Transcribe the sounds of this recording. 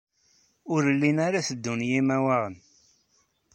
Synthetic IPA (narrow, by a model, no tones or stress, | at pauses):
ʊɾlːinaɾaθəd̪ːunjimæwaʁən